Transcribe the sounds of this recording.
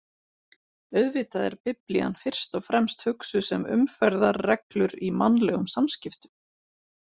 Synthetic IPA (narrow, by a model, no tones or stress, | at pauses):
œɥðvɪːt̪aðɛ̰ɾpɪplḭa̰nfɪr̥st̪ɔɣfɾɛmst̪hʏksʏsɛmʏ̰mfɛɾðaɾːɛklʏɾimanlɛɣʏmsamscɪft̪ʏm